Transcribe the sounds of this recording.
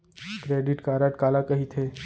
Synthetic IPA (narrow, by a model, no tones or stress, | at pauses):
kɾeːɖɪʈkaːɾaʈkaːlakɐɦit̪ʰeː